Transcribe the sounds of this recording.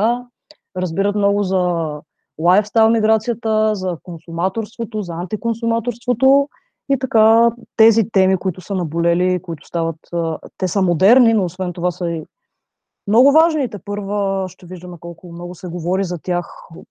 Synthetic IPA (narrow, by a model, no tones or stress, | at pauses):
a | ɾəzbiɾət̪mnɔɡʊzɐ | lˠajfst̪avɐmiɡɾat̪sijət̪əzɐkonsumat̪oɾst̪vot̪ozɐant̪ikonsumat̪oɾst̪vot̪o | it̪ɐkat̪ɛzit̪ɛmikʊit̪ʊsənɐbolɛliːkoʊit̪ʊ̥st̪avət̪ːɛsəmod̪ɛɾninoːsvɛnt̪ovasəi | mnɔɡʊvaʒnit̪ɛpɤɾvəʃt̪ɛviʒd̪əmɛkɔlˠkʊmnɔɡʊsɛɡovɔɾizɐt̪ʲjax